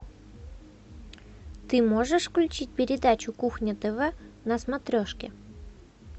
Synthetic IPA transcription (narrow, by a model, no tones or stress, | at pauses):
t̪ɨmoʐɨʂfklʲʉt͡ɕit̚ʲpʲɪɾʲɪd̪at͡ɕʊkuxnʲɪt̪əvɛnɐsmɐt̪ɾʲoʂkʲɪ